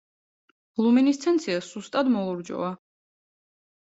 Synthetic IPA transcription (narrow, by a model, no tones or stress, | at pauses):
lˠuminist̪sʰɛnt̪sʰiasust̪ʼad̪mɔlˠɔɾd͡ʒɔ̰a